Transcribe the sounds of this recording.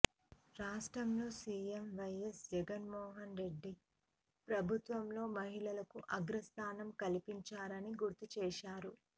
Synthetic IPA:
ɾaːʂʈɾɐmlo̞ːsiːemʋɐjesd͡ʒɛɡɐnmɔːɦɐnɾe̞ɖːi | pɾɐbʱut̪ʋɐmlo̞ːmɐɦiɭɐlɐkuʔɐɡɾɐst̪ʰaːnɐmkɐlipiɲt͡ʃaːɾɐniɡuɾt̪ut͡ʃɛːʃaːɾu

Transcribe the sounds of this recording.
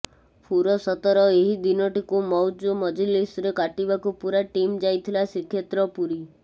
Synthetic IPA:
pʰuɾɔsɔt̪ɔɾɔeɦid̪inɔʈikumɔwd͡ʒumɔd͡ʒilisɾekaʈibakupuɾaʈimd͡ʒajt̪ʰilasikʰjet̪ɾɔpuɾi

